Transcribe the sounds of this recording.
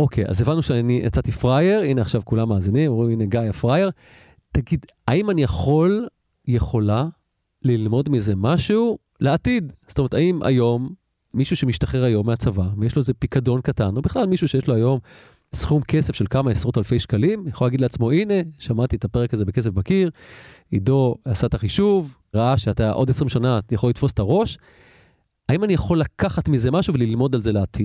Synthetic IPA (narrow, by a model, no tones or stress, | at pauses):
o̞kʰeja̰zevanːuʃeaniʔḛt͡sat̪ifʁaje̞ʁineaχʃavkulamːaːzinimoʁimine̞ɡajafʁajeʁ | taɡid | aimanijaχo̞l | je̞χo̞la | lilmo̞dmize̞maʃuu | leatidst̪ometaimʔa̰jo̞mː | iʃuʃemiʃtaχeʁajo̞mːeat͡savavejeʃloezepikado̞nkatano̞biχlalmiʃuʃejeʃloajo̞m | sχumke̞se̞fʃe̞lkamaesʁotalfe̞jʃkalimjaχolaɡidleat͡smo̞ine̞ʃamatiet̪apeʁekazebeke̞s̬efbakiʁido̞asat̪aχiʃuv | ʁaaʃeataʔo̞desʁimʃanajaχo̞lit̪fo̞setaʁo̞ʃ | aimanijaχo̞lakaχatmize̞maʃuvelilmo̞dalze̞leat̪ʰid̥